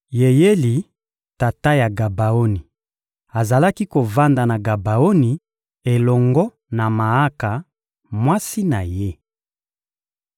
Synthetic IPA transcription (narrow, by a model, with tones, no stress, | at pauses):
je˨je˦li˨ | ta˨ta˦ja˨ɡa˨ba˨o˦ni˨ | a˨za˨la˦ki˦ko˨va˦nda˨na˨ɡa˨ba˨o˦ni˨ | e˨lɔ˨ŋɡɔ˦ | na˨ma˨a˦ka˨ | mwa˦si˦na˨je˦